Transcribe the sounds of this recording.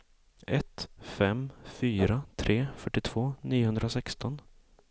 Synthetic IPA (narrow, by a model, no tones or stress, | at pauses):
ɛt̪fɛmfyːɾat̪ʰɾʔeːfœʈːɪt̪ʰv̥oːniːʊhɵnd̪ɾasɛkst̪ɔn